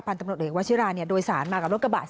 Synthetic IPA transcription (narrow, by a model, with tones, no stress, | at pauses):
pʰa˧nt̪a˧mu˨˩eː˨˩˨wa˦˥tt͡ɕʰi˦˥ɾaː˧ni˥˩ɐdoː˧jsaː˩˦nmaː˧ka˨˩lo˦˥kːa˧ba̰ː˨˩